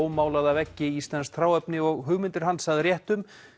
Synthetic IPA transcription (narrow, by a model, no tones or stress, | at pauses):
wmaːwlaðavɛcːɪist̪lɛnsθʰɾaːwɛpnɪɔɣɦʏɣmɪnt̪ɪɾ̥ɦansaðrjɛht̪ʏm